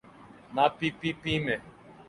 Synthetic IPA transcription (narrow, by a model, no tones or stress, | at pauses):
napipipime